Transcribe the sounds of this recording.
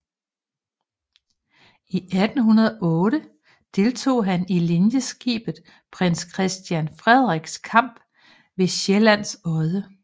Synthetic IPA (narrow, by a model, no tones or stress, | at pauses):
ʔiʔæd̥n̩ɦunɐð̞ˠʔɔ̽ːɾ̥ə | d̥e̝lt͡sʰo̝̰ːɦænilinjəsɡ̥ḭːb̥ð̩ˠ | pʰʁen̰skʰʁɛsd̥jænfʁɛð̞ˠʁiɡ̥skʰɑ̈m̰b̥ | ʋe̝ɕelæn̰sɒ̽ɪðˠə